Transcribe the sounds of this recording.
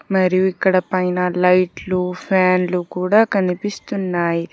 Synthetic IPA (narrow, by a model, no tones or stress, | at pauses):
mɐɾijuikːɐɽɐpɐjnɐlɐjʈlupʰaːnlukuːɽaːkɐnipist̪unːaːji